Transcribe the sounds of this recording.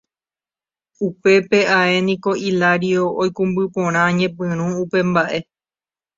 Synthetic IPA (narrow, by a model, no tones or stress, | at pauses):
upe̞pe̞ae̞nĩko̞ʔilaɾioojkũmbɨpõɾ̃ãɲẽ̞p̬ɨ̃ɾ̃ũupe̞mbaʔe̞